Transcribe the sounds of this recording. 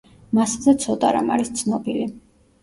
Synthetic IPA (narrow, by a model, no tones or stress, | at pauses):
masad̪ɛt̪sʰɔt̪ʼaɾa̰ma̰ɾist̪sʰnɔbili